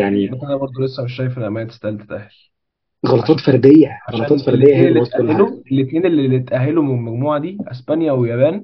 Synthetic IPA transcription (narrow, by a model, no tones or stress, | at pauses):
jaʕnimæʔænæbɑɾˤd̪ˤolesːæmeʃ̬ːæjefelʔæmæːet̪est̪ælt̪e̥t̪ʔæhel | ɣɑlɑt̪ˤɑːt̪fæɾˤd̪ejːæɣɑlɑt̪ˤɑːt̪ˤfæɾˤdlːejːæhejːælːet̪ʔolheloelːit̪neːnelːilːit̪ʔæɦːelomæɡmuːʕad̪iːʔæ̰spænjæwejæbæːn